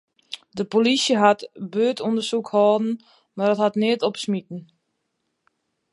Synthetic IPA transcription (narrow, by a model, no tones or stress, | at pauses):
dəpolisjəɦatbøːtʰɔndərsukhɔːdn̩ | madɔthatnɪətɔpsmitn̩